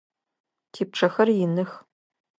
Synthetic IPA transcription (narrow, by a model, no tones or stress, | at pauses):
tʰiːp̚ʈ͡ʂʰɐxɐrjɪnɨx